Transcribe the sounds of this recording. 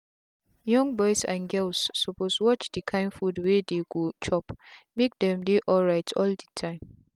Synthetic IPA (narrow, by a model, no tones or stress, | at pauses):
jɔ̃ŋbɔjsã̰nɡɛlsːɔposwɔt͡ʃdikʰãɪnfudwedeɡot͡ʃʰɔpmik̚dɛ̃mdeʔɔlɹaɪtʰɔldətʰãɪ̃m